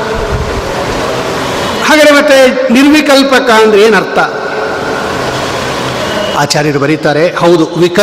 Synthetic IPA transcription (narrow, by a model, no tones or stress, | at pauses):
haːɡaːd̪emɐt̪ːeniɾʋikɐlpɐkaɐnd̪ɾeeːnɐɾt̪ʰɐ | aːt͡ʃaːɾjɐɾubɐɾit̪aːɾehɐwd̪uʋikɐ